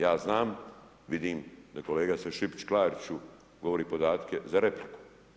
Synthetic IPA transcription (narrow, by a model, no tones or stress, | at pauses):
jaːznaːm | ʋid̪iːmd̪ako̞le̞ːɡaseʃipt͡ʃklaːɾt͡ʃu | ɡo̞ʋoɾiːpo̞d̪aːt̪kezaɾe̞pliku̥